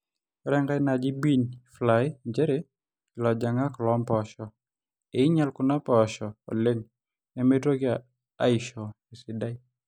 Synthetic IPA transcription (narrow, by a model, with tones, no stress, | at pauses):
ɾɛ˦ŋɡa˦na˨d͡ʒi˦bi˦nflajd͡ʒe˦ɾe˦ | lɔ˨d͡ʒa˨ŋa˦klɔmpɔʃɔ˨ | e˨ɪ˦ɲa˦lkʊ˨na˦pɔ˨ʃɔ˨ɔ̰˨le˦ŋ | nɛ˨me˦dɾo˦ɡja | a˦ɪʃɔ˨ | ɪ˨sɪ˨da˦j